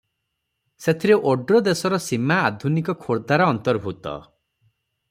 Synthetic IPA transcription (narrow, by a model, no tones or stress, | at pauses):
set̪ʰiɾeʔoɖɾɔd̪esɔɾɔsimaːd̪ʱunikɔkʰoɾd̪aɾɔːnt̪ɔɾbʱut̪ɔ̰